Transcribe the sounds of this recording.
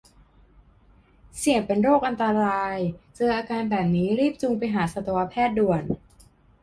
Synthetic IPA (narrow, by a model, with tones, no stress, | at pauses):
si˨˩əŋpe˧nɾoː˥˩k̚ʔa˧nt̪a˧ɾaː˧jt͡ɕɤː˧ʔaː˧kaː˧nbɛː˨˩p̚niː˦˥ɾiː˥˩p̚t͡ɕu˧ŋpa˧jɦaː˩˦sa˧˩t̪u˧wa˧pʰɛː˥˩t̪̚du˨˩ən